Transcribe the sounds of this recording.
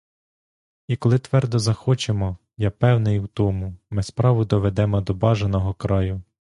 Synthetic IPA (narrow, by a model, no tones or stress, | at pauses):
ikɔlˠɪt̪ʋɛrd̪ɔzɐxɔt͡ʃemɔ | japɛwnɪjwt̪ɔmʊmɪspɾɑʋʊd̪ɔʋed̪ɛmɔd̪ɔbɑʒenɔɦɔkɾɑjʊ